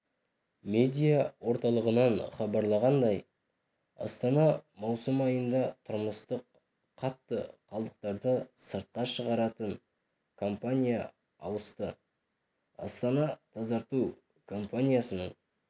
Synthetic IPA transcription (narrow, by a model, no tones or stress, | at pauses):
me̞d̪ʲijawo̞ɾt̪ɑlˠəʁənɑnχɑbɑɾlˠɑʁɑnd̪ɑj | ɑ̰st̪ɑnɑmɑwsəmɑjənd̪ɑt̪ʰʊɾməst̪əq | qʰːɑt̪ːəqʰɑlˠd̪əq̚t̪ɑɾd̪əsəɾt̪̚qɑʃəʁɑɾɑt̪ən | kʰo̞mpanʲija | ɑwəst̪ə | ɑ̰st̪ɑnɑt̪ʰɑzɑɾt̪uw | kʰo̞mpanʲijasənəɴ